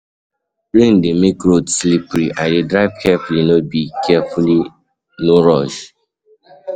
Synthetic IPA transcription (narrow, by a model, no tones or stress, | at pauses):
ɹẽndemek̚ɹotslipɾiʔaɪdedɹaɪvkʰɛfulinɔt̚bikʰɛfuli | noɹɔʃ